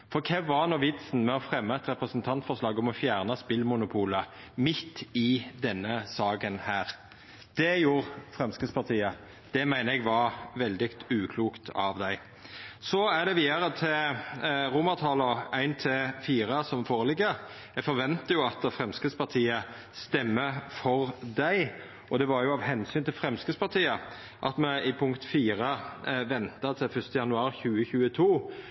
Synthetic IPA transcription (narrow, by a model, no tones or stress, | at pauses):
fɔkʰɛʋɑnɔʋɪt̪sn̩mɛɔfɾɛmːəɛt̪ɾɛpɾəsənt̪ʰɑnt̪fɔʁslɑːɡɔmɔfjæːʁnəspɪlmʊnʊpʰuːlə | mɪt̪ːɪd̪ɛnːəsɑːɡənhæːʁ | d̪̥ɛjuːʁfʁɛmskəspʰɑʁt̪ʰiːə | d̪̥ɛmæɪnəɛɡʋɑɾʋɛld̪ɪkt̪ʉːkʰluːkt̪ʰɑʋd̪æɪ | sɔæd̪ɛʋiːd̪ɑɾət̪ʰɪl | ʁʊmət̪ʰɑləæɪnt̪ʰɪlfiːɾəsɔmfoːʁəlɪɡːəɾ | ɛfɔɾʋɛnt̪əjʊɑt̪̚d̪ɛfʁɛmskəspɑt̪ʰiːə | st̪ɛmːəfɔʁd̪æɪ | ʔɔd̪ɛʋɑɾjʊɑːʋhɛnsyːnt̪ʰɪlfɾɛmskəspɑʁt̪ʰiːə | ʔɑ̰t̪mɛɪpʰʊŋkt̪fiːɾəʋɛnt̪ət̪ʰɪlfœst̪əjɑnʉɑːɾçʉːəçʉːət̪ʰuː